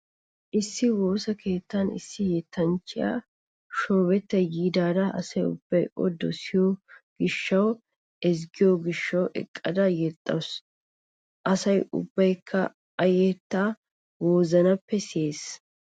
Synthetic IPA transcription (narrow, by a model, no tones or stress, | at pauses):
ʔɪsːɪwo̞ːsɐke̞ːt̪ːɐnɪ̰sːɪjɛt̪ːɐnt͡ʃːɪja̰ː | ʃoːbɛt̪ːɛjiːd̪aːd̪ɐʔɐ̰sɐjʊ̰b̥ːɐjʔɔ̰d̪ɔsɪjoɡ̥ɪʃːɐw | ʔɛs̬ɡɪjoːɡɪʃːɐwʔɛ̰kʼːɐd̪ɐjɛt̪ʼːɐws | ʔɐsɐjʊ̰bːɐjkʰːɐ | ɐjɛt̪ːaː | woːzɐnɐpːɛseːs